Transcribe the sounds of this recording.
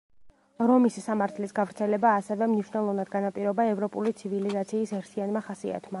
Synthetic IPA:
ɾɔmisisamaɾt̪ʰlisɡavɾt̪sʰɛlɛbaːsɛvɛmniʃnɛlˠɔvnad̪̚ɡanapʼiɾɔbaɛvɾɔpʼulit̪sʰivilizat̪sʰiːsɛɾt̪ʰianmaχasia̰t̪ʰma

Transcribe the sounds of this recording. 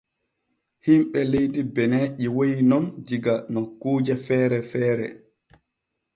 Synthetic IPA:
himɓɛlejtibɛnɛːʔiwojinɔnd͡ʒiɡanokːuːd͡ʒɛfɛːɾɛfɛːɾɛ̰

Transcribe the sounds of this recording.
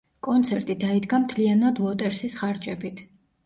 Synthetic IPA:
kʼɔnt̪sʰɛɾt̪ʼid̪aid̪ɡamt̪ʰlianad̪lˠɔt̪ʼɛɾsisχaɾd͡ʒʼɛbit̪ʰ

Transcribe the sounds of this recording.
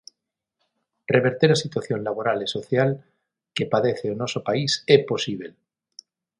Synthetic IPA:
reβe̞ɾt̪eɾasit̪waθjonlaβ̞oɾaleso̞θjal | kepaðeθeonosopaisepo̞siβ̞el

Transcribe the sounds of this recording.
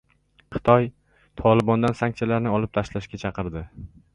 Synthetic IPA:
qʰɨ̥t̪ʰɒj | t̪ʰɒlˠɪbɒnd̪ansaŋt͡ʃʰalaɾnɪɒlˠɪp̚t̪ʰaʃlaʃkʲat͡ʃʰɑqɨɾd̪ɪ

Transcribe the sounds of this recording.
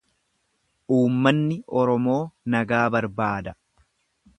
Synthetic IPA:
ʔuːmːɐnːɪʔɔɾɔmo̞ːnɐɡaːbɐɾbaːd̪ɐ

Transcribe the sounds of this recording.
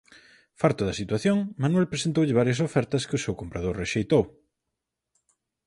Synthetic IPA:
faɾt̪ʊðɐsit̪waθjoŋmanwɛlpɾesent̪owʎɪβ̞aɾjɐs̬ofɛɾt̪ɐskɪʊsewkompɾaðoɾreʃejt̪ow

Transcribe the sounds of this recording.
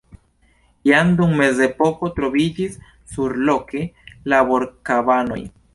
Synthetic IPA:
jand̪uŋme̞ze̞po̞ko̞t̪ɾo̞vid͡ʒisː | uɾlo̞kʰe̞labo̞ɾkabano̞̰j

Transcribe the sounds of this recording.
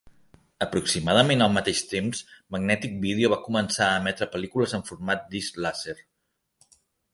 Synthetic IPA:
əpɾuksimað̞əmenəlˠmət̪eʃt̪emzməɡnɛt̪ik̚bið̞euβ̞akumənsaəːmɛt̪ɾəpəlikuləzəɱfuɾmat̪̚d̪izlaseɾ

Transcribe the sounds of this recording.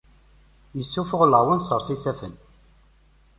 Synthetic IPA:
jəsːufʊʁləʕwənsˤəɾˤsˤiθæfə̰n

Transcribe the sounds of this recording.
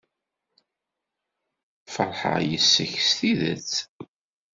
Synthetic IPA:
fəɾˤħə̰jəsːəçsθiðə̰t͡s

